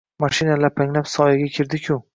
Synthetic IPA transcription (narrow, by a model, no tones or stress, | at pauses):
maʃinalaɾpʰaŋlapsɒjaɡʲakʲʰɪɾd̪ɪkʲʰʊ